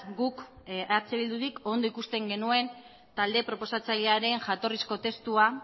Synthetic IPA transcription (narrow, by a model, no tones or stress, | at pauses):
ɡukaɾt͡seβild̪uðiko̞nd̪o̞ikust̪e̞ŋɡe̞nue̞n | t̪ald̪e̞pɾo̞po̞sat͡saʎeaɾe̞nʝat̪o̞risko̞t̪e̞st̪ua